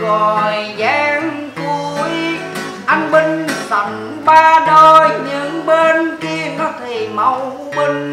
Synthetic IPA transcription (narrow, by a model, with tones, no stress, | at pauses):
ɣo˨˩jzɛː˧ŋ | ku˧˩j | ʔa˧jŋɓï˧ŋ̟sa˨˩ŋn | ɓaː˧ɗo˧jɲɨ̰˧˥ŋɓe˧nki˧ənɔ˨˦t̪ʰi˨˩ma˧˩w | ɓi˧ŋ̟